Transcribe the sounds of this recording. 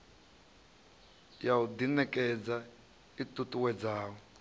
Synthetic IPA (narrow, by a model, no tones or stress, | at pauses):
jawudinɛkʼɛd͡za | itʼutʼuwɛd͡zaːwɔ